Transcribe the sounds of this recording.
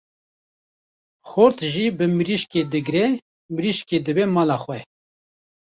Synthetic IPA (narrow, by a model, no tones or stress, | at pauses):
xʊɾt̪ʒibɨmɨɾiʃked̪ɨɡɾɛ | mɨɾiʃked̪ɨbɛmɑːlɑːxwɛ